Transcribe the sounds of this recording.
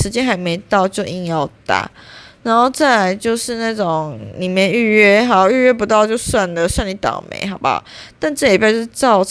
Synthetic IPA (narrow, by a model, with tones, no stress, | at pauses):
ʂɻ̩˧˥t͡ɕjɛ˥nxa˧˥ɪme˧˥ɪt̪ɑ˥˧ʊt͡ɕjo˥˧ʊʔi˥˧njɑ˥˩ʊt̪a̰˨˩˦na˧˦nxo˥˧ʊt͡sa˥˩la˨˩ɪt͡ɕjo˥˧ʊʂɻ̩˥˧na˥˩ʈ͡ʂo˨˩ŋni˨˩mje˥˧ny˥˧ɥɛ˥˩ɦɑ˧˩˥y˥˧ɥɛ˥˩p̬u˧t̪ɑ˥˧ʊt͡ɕjo˥˧ʊswa˥˩nlə˨˩ɕwa˥˩ŋni˨˦˥t̪ɑ̰˨˩ŋmʔḛ˨˧˦ɪɦɑ˨˦ʊba̰˦t̪a˥˧nʈ͡ʂɤ˥˩li˨˩pʰa˥˧˥ʂʈ͡ʂɑ˥˩ʊ